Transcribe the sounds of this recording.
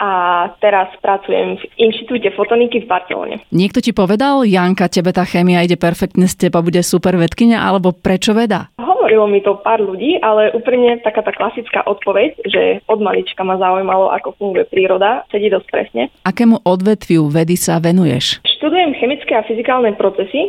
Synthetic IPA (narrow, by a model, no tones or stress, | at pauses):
ʔat̪ɛɾaspɾat͡sujɛ̰mvʔinʃt̪i̥t̪uːcɛfɔt̪ɔnikivbaɾt͡sɛ̰lɔ̰ɲɛ̰ɲɪɛkt̪ɔcipɔʋɛd̪aljaŋkacɛbɛt̪aːxɛːmiaiɟɛpɛɾfɛk̚t̪ɲɛscɛbabuɟɛsupɛɾʋɛt̪kiɲaʔa̰lɛbɔpɾɛt͡ʃɔʋɛd̪a̰ːɦɔʋɔɾilɔmit̪ɔpaːɾʎuɟiːʔalɛʔuːpɾimɲɛt̪akaːt̪aːklasit͡ska̰ːʔɔt̪pɔʋɛcʒɛ̰ɔd̪malit͡ʃkamazaujmalɔʔa̰kɔfuŋɡujɛpɾiːɾɔd̪asɛɟiːd̪ɔsc̚pɾɛ̰sɲɛ̰ʔakɛːmuʔɔd̪ʋɛt̪ʋɪuʋɛd̪isaʋɛnujɛ̰ʃʃt̪ud̪ujɛmxɛmit͡skɛafizikaːlˠnɛpɾɔt͡sɛsi